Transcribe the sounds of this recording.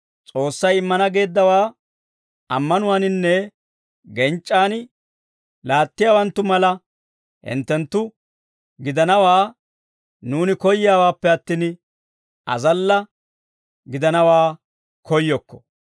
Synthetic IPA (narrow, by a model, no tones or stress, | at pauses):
t͡sʼo̞ːsːɐjɪmːɐnɐɡe̞ːd̪ːɐwaː | ɐmːɐnʊwaːnɪnːɛ | ɡɛnt͡ʃʼːaːn | laːt̪ːɪjaːwɐnt̪ːʊmɐlɐ | hɪ̰nt̪ːɛnt̪ːʊ | ɡɪd̪ɐnɐwaː | nuːnɪkɔjːjaːwaːpːɛɐt̪ːiːn | ɐ̰zɐlːɐ | ɡɪd̪ɐnɐwaː | kʰɔjːɔkːɔ̥